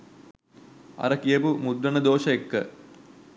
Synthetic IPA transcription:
ɐ̰ɾɐkijɐpumud̪ɾɐɳɐd̪oːʂɐekːɨ̰

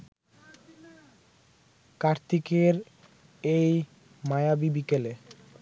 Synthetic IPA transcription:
kaɾt̪ikeɾ | ej | majabibikele

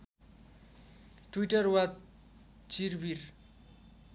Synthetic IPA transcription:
ʈwiʈʌrwa | t͡sirbir

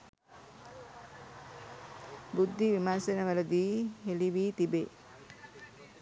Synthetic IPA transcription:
bud̪ʱːiʋimansenəʋələd̪iːɦeliʋiːt̪ibe

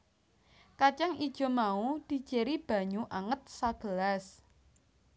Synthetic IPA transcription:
kat͡ʃaŋid̥ʒ̥ɔ̤maud̪̥i̤d̥d͡ʒ̥e̤ɾib̥a̤ɲuʔaŋət̪̚saɡ̥ə̤las

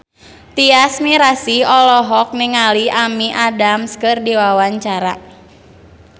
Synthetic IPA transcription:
t̪iasmiɾasiɔlɔɦɔk̚nɪŋaliamiʔadamskɨrdiwawaɲt͡ʃaɾa

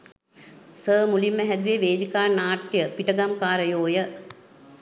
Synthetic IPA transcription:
səːmulimːəɦæd̪uʋeʋeːd̪ikaːnaːʈjəpiʈəɡamkaːɾəjoːjə

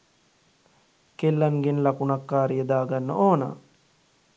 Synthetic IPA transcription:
kelːaŋɡenlakunakːaːɾijəd̪aːɡanːə̰ʔoːna̰ː

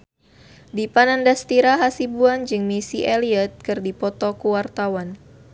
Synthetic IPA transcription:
dipanandast̪iɾaɦasibuand͡ʒɨŋmisiʔeliət̪̚kɨrdipɔt̪ɔkuwart̪awan

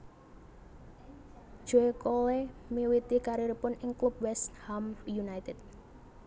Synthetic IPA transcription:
ʒ̥oekolemiwit̪ikaɾiɾpʊnɪŋklup̚wɛst̪hamjunajt̪ɛd̪̚

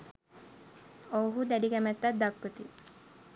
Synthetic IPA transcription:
owɦud̪æɖikæmæt̪ːat̪̚d̪akːət̪i

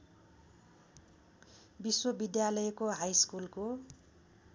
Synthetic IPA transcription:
biswobid̪jalʌjekoɦajskulko

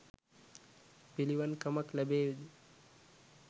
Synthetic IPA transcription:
piliʋɐnkɐmɐklɛbeːʋid̪i

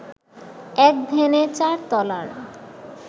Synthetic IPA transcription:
ɛk̚d̪ʱenet͡ɕaɾt̪ɔla̰ɾ

